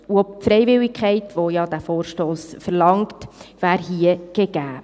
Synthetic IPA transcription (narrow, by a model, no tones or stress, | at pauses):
uɔp̚tfɾɛɪvɪlɪkʰχɛɪtʋojɑd̥̪æfoːɾʃtoːsfəɾlɑŋktvæːɾɦiəɡ̥eɡ̥æː